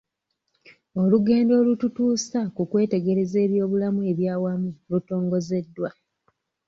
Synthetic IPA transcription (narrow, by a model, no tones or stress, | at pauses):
o̞luɡe̞ːndo̞ːlututuːsakukwe̞ːte̞ɡe̞ɾe̞ze̞ːβjo̞ːβulamue̞βjaːwamuluto̞ːŋɡo̞ze̞dːwa